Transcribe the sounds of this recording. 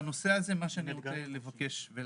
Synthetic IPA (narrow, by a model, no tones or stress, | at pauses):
no̞se̞aze̞maʃeaniot͡sele̞vake̞ʃve